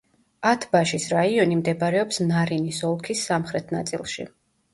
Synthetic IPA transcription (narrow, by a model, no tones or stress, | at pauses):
at̪ʰbaʃisɾaiɔnimd̪ɛbaɾɛɔpsnaɾinisɔlˠkʰisːamχɾɛt̪ʰna̰t̪sʼḭlˠʃḭ